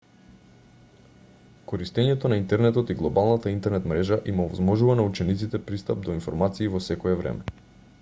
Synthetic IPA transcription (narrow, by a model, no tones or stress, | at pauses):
kɔɾist̪ɛɲɛt̪ɔnaint̪ɛɾnɛt̪ɔt̪iɡlˠɔbalˠnat̪aint̪ɛɾnɛt̪mɾɛʒaʔimɔvɔzmɔʒuvanaut͡ʃɛnit̪sit̪ɛpɾist̪ap̚d̪ɔinfɔ̰ɾmat̪siːvɔsɛkɔɛvɾɛ̰mɛ